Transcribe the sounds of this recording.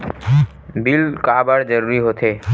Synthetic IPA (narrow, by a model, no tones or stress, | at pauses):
bilkabaɾd͡ʑɔɾuɾiɦot̪ʰe